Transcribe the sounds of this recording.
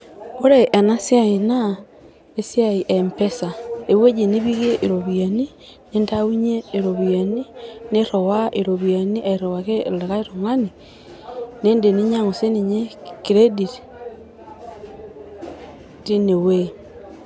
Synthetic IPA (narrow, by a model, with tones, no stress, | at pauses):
o˦ɾe˨ʔe˨na˦sja˦i˨na˦ | e˦sjai˨ʔe˨mpe˦sa˨e˨we˦d͡ʒe˨ni˦βi˦ɣe˦ʔi˨ɾo˨βja˨ni˦ | ne˦ntau˦ɲe˦i˨ɾo˨βja˨ni˦ne˦ɾo˨wa˦ʔi˨ɾo˨βja˨ni˦ʔa˨i˨ɾo˨wa˨ke˦le˨ka˦i˦ɾo˨ŋa˦ni˨ | ne˦nde˨ni˦ɲa˦ŋo˨se˦ni˨ɲe˦ki˨ɾe˦di˨ti̥ | ti˦ne˨we